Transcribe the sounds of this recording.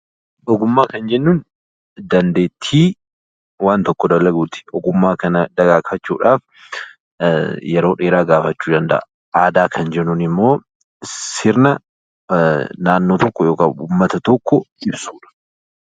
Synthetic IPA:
ɔɡʊmːaːkɐnd͡ʒɛnːuːn | d̪ɐnd̪e̞ːt̪ʰːiː | waːnt̪ɔkːɔd̪ɐlːɐɡuːt̪ɪ̥ʔɔɡʊmːaːkɐnɐd̪ɐɡaːkɐt͡ʃːuːᶑaːf | jɛɾo̞ːᶑeːɾaːɡaːfɐt͡ʃːuːd̪ɐnd̪ɐ̰ʔɐ | aːd̪aːkʰɐnd͡ʒɛnːuːnɪmːo̞ː | sɪɾnɐ | naːnːoːt̪ɔkːɔjo̞ːkɐʊmːɐt̪ɐt̪ɔkːɔʔɪbsuːᶑɐ̥

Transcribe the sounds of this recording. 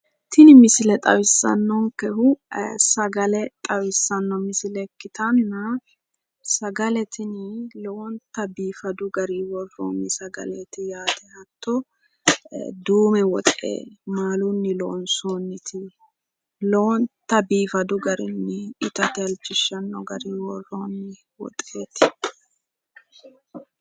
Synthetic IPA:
t̪ʰɪnɪmɪsɪlɛt̪ʼɐ̰wɪsːɐ̰nːɔŋkɛhʊsɐɡɐlɛt̪ʼɐwɪsːɐnːɔmɪsɪlɛkːɪt̪ɐnːɐ | sɐɡɐlɛt̪ʰɪnɪlont̪ɐbiːfɐd̪ʊɡɐɾiwɔrːo̰mɪsɐɡɐ̰lɛt̪ɪjaːt̪ɛhɐt̪ːɔ | d̪uːmɛwɔt̪ʼḛːmaːlʊnːɪloːnsoːnːɪt̪ʰɪ | lont̪ːɐbiːfɐd̪ʊɡɐɾɪ̰nːɪɪt̪ɐt̪ɪɐld͡ʒɪʃːɐnːɔɡɐɾiːwɔrːoːnːɪ | wɔ̰t̪ʼeːt̪ɪ̥

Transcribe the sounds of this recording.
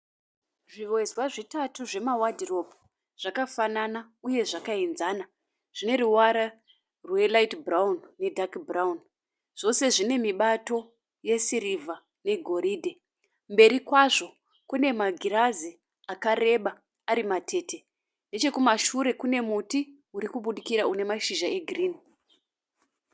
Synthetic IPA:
ʐiʋwezwaʐitatuʐe̞mawadʱiro̞pu̥ | ʐ̥akafanana | uje̞ʐakainzaːna | ʐ̥ine̞ɾuwaɾa | rwe̞laitbraunːe̞dʱakbraun | ʐ̥o̞se̞ʐine̞miɓato̞ | je̞siɾivʱa | ne̞ɡʱo̞ɾidʱe | mbe̞ɾikwaʐo̞ | kune̞maɡʱiɾazi | akare̞ɓa | aɾimatʰe̞ːtʰe̞ | nde̞t͡ʃe̞kumaʃuɾe̞kune̞muti | uɾikuɓuɗikiɾaune̞maʃiʒae̞ɡʱriːn

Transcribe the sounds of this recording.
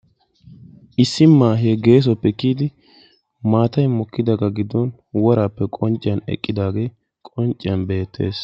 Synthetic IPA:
ʔɪsːɪmːaːɦeɡe̞ːs̬ɔpːɛkiːd̪ɪ | maːt̪ɐjmɔkːɪd̪ɐɡɐɡɪd̪ːɔn | wɔɾaːpːɛkʼɔnt͡ʃʼɪɐnɛ̰kʼːɪd̪aːɡeː | kʼɔnt͡ʃʼːɪɐnbe̞ːt̪ːe̞̰ːs

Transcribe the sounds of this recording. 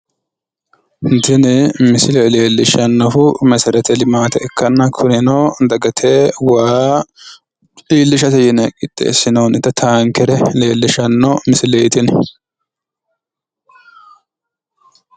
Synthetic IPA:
d̪ɪnɪmɪsɪlɛle̞ːlːɪʃɐnːɔhʊmɛsɐɾɛt̪ɛlɪmaːt̪ɛɛkʰːɐnːɐkʰʊnɪnɔd̪ɐɡɐt̪ʰeːwaː | iːlːɪʃɐt̪ɛjɛnɛkʼɪt̪ʼːḛːsːɪnoːnɪt̪ːɐt̪ʰaːŋkɛɾɛle̞ːlːɪʃɐnːɔmɪsɪleːt̪ɪn

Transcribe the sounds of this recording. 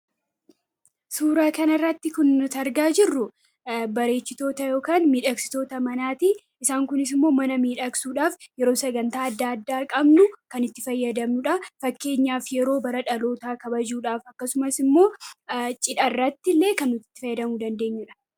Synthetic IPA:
suːɾaːkɐnɐrːɐt̪ːɪkʊnːʊt̪ɐɾɡaːd͡ʒɪrːʊ | bɐɾe̞ːt͡ʃːɪt̪o̞ːt̪ɐjo̞ːkaːnmiːᶑɐksɪ̥t̪o̞ːt̪ɐmɐnaːt̪i | ɪsaːŋkʊnɪs̬ɪmːo̞ːmɐnɐmiːᶑɐksuːᶑaːfjɛɾo̞ːsɐɡɐnt̪aːɐd̪ːaːɐd̪ːaːkʼɐbnʊkɐnɪt̪ːɪfɐjːɐd̪ɐmnʊᶑɐfɐkːe̞ːɲːaːfjɛɾo̞ːbɐɾɐᶑɐlo̞ːt̪aːkɐbɐd͡ʒuːᶑaːfɐkːɐsʊmɐsɪmːo̞ːt͡ʃʼɪᶑɐrːɐt̪ːɪlːe̞ːkɐnːʊt̪ːɪ̥t̪ːɪfɐjːɐd̪ɐmud̪ɐnd̪e̞ːɲːɪᶑɐ̥

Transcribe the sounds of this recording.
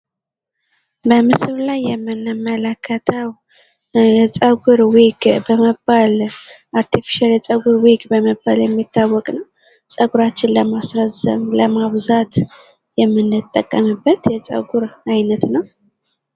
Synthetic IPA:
bəmɨsɨlajːɛmːɨnːɨmːələkʰːət̪ʰəw | jɛt͡sʼəɡuɾwikʼbəməbalʔaɾt̪ʰifi̥ʃaljɛt͡sʼəɡuɾwikʼbəməbːaljɛmːit̪ʰːawːɔkʼnəw | sʼəɡuɾat͡ʃːɪnləmasɾəzə̰mləmaβzat̪ | jɛmːɨnːɨt̪ʼːəkʼːəmɨbːət̪jɛt͡sʼə̰ɡuɾajnət̪nəw

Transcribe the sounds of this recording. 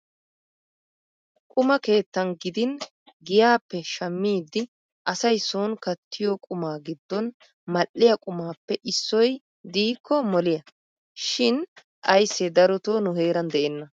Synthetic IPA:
kʼʊmɐke̞ːt̪ːɐnɡɪd̪ɪn | ɡɪjaːpːɛʃɐmːiːd̪ːɪ | ʔɐsɐjsoːnkɐt̪ʰːɪjɔkʼʊmaːɡɪd̪ːɔn | mɐlːɪjɐkʼʊmaːpːɛʔɪsːɔj | d̪iːkʰːɔmɔlɪjɐ | ʃɪn | ʔɐjsːɛd̪ɐɾɔt̪oːnʊɦeːɾɐnd̪ɛʔɛnːɐ

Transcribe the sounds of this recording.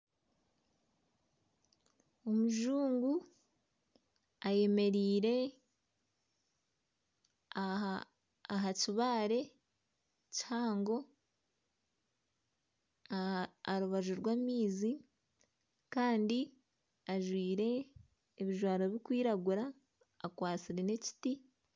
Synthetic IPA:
omuʒuːŋɡu | aje̞me̞ɾiːɾe̞ | ɦaciβaːɾe̞ | caːŋɡo̞ | aɾuβaʒuɾɡwaːmiːzi | kaːndi | aʒwiːɾe̞ː | βiʒwaːɾoβikwiːɾaɡuɾaː | kwaːt͡siɾe̞ne̞ci̥ti

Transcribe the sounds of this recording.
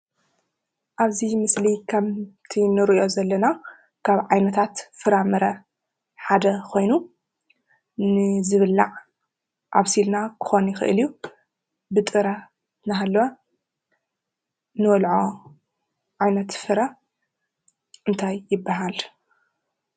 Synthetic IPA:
ʔaβzimɨslikʰɐmt̪ʰinɨɾiiʔo̞zɐlːɐna | kʰaβʕajnɐt̪ʰat̪fɨɾamɨɾɐ | ħad̪ɐkʰo̞jnu | nɨzɨβɨlːaʕ | ʔaβsilnakʰɨ̥xo̞njɪxɨ̰ʔɨ̰lju | bɨt̪ʼɨɾɐ | naɦalːo | nɨwɔlʕo̞ | ʕajnɐt̪fɨɾa | ʔɨnt̪ʰajːɪbːaɦal

